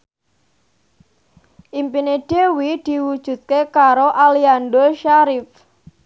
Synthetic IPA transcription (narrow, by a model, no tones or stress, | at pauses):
ʔimpineɖ̥ewid̪̥i̤wud̥ʒ̥ṳt̪̚kekaɾoʔalianɖoʃaɾɪf